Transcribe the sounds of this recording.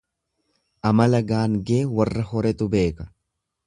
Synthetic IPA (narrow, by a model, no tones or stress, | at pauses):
ʔɐmɐlɐɡaːŋɡe̞ːwɐrːɐhɔɾɛt̪ʊbe̞ːkɐ̥